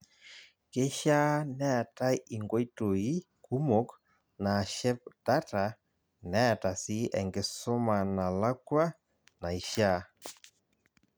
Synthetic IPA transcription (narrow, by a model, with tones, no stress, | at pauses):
ke˦ʃa˦nɛ˦a˨ta˦i˦i˨ŋɡwo˦i˦to˨i˦ | ku˦mo˦k | na˨ʃɛ˦p̚da˦ta˨ | nɛ˦a˨ta˨si˦ɛ˨ŋɡe˨so˦ma˨na˨la˦kwa˦ | na˨i˨ʃa˦